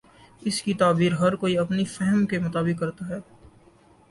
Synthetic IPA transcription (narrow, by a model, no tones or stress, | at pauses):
ɪskit̪aːbiːɾɦɐɾkoːiɐpnifɛɦɛmkemʊt̪aːbɪkːɐɾt̪aɦɛː